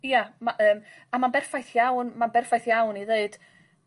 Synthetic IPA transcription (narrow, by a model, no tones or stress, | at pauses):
jamaʔəːm | amanbɛrfajθjawnmanbɛrfajθjawniðeɨd̥